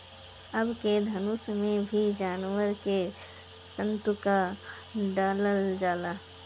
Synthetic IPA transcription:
əbked̪ʱɐnʊsmẽbʱid͡ʒaːnwəɾke | sə̃nt̪ʊka | ɖaːləld͡ʒaːlaː

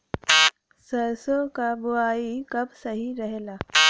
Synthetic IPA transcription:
səɾsokabuaikəbsəɦiɾəɦelaː

